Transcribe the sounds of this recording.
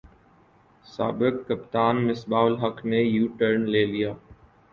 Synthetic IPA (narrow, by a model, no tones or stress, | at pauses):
sa̰ːbɪkːɐpt̪aːnmɪsbaːʊlɦɐknẽjuːʈəɾnleːlijaː